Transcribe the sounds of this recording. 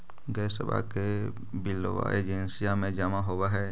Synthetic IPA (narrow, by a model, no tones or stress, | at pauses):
ɡɛːsə̰ba̰ke | bɪlːo̰ʋa̰eːd͡ʒɪnsijamẽd͡ʒamaɦoːwaɦɛː